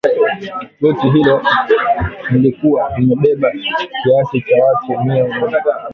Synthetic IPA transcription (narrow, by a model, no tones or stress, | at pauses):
ɗɔtiɦilɔ | nilikuwanimɛɓɛɓakiasit͡ʃawatumiɔmɔɗaɡa